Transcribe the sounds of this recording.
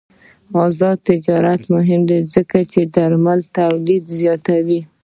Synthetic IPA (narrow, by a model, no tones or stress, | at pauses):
ɑzɑd̪t̪ɪd͡ʒɑɾat̪mʊɦɪmd̪ezəkat͡ʃed̪aɾmalt̪awlid̪zjɑt̪awi